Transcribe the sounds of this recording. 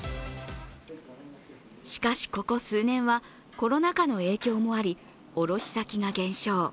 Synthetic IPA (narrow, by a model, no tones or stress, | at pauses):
ɕi̥kaɕi̥ko̞ko̞sɨːnẽ̞ɰ̃βa | ko̞ɾo̞nakano̞e̞ːkʲo̞ːmo̞aɾʲi | o̞ɾo̞ɕi̥sakʲiŋaɡẽ̞ɰ̃ɕo̞ː